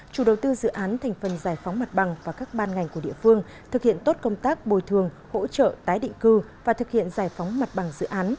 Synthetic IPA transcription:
t͡ɕu˧˩ɗə˨˩wt̪ɨ˧zɨ̰˧˨ʔaː˨˦nt̪ʰɛ˨˩ŋ̟fə˨˩nzaː˨˩jfa˨˦wŋ͡mma˨˩t̚ɓa˨˩ŋvaː˨˩kaː˦˥k̚ɓaː˧nŋa˨˩jŋ̟ku˧˩ḭ˧˨əfɨ˧əŋ | t̪ʰɨ˨˩k̚hḭ˧˨ənt̪o˦˥t̚kə˧wŋ͡mt̪aː˦˥k̚ɓo˨˩jt̪ʰɨ˨˩əŋ | ho̰˧˥t͡ɕə̰˧˨t̪aː˨˦jɗḭ˧˨ŋ̟kɨ˧ | vaː˨˩t̪ʰɨ˨˩k̚hḭ˧˨ənzaː˨˩jfa˨˦wŋ͡mma˨˩t̚ɓa˨˩ŋzɨ̰˧˨ʔaː˨˦n

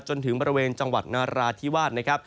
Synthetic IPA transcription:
t͡ɕo˧nt̪ʰɯ˩˦ŋbɔː˧ɾi˦weː˧nt͡ɕa˧ŋwa̰˨˩t̪̚naː˧ɾaː˧t̪ʰiː˦˥˩waː˥˩t̪̚na˦˥kʰa˦˥p̚

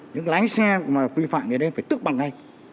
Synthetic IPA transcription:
ɲɨ̰˧˥ŋ˧la˨˦ŋsa˧maː˨˩vi˧fa̰ː˧˨mzɨ˨˩ɗə˧˦faː˧˩jt̪ɨ˦˥k̚ɓa˨˩ŋa˧j

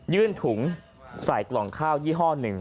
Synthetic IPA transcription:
jɯː˥˩nt̪ʰu˩˦ŋ | sa˨˩˦jklɔː˨˩ŋkʰaː˥˩wjiː˥˩ɦɔː˥˩nɯ˨˩ŋ

